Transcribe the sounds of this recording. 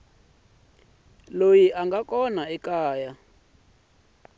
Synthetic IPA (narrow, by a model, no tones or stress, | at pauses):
lojiʔaŋɡakɔnaɛkaːja